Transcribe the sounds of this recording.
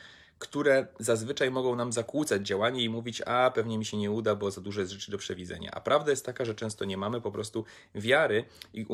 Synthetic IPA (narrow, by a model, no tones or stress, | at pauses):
kt̪uɾɛzazvɘt͡ʂajmɔɡɔ̃w̃namzakwut̪sad͡ʑd͡ʑawaɲɛimuvʲit͡ɕapɛvɲɛmʲiɕɛɲɛud̪abɔzad̪uʐɔjɛst̪ʐɛt͡ʂɘd̪ɔpʂɛvʲid̪zɛ̰ɲa̰ʔa̰pɾʔavd̪ajɛst̪ːakaʐɛt͡ʂɛ̃w̃st̪ɔɲɛmamɘpɔpɾɔst̪u | vʲjaɾɘiʔu